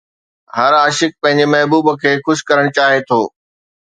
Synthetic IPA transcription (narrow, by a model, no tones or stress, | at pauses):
ɦɐɾaːʃɪk̚pɐ̃ɦɪ̃ɲ̆d͡ʑemɐɦbuːbəkʰeːxʊʃɪ̥kɐɾəɽ̃t͡ɕaːɦet̪ʰoː